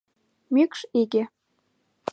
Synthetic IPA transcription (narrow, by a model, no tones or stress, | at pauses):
mykʃiɡĕ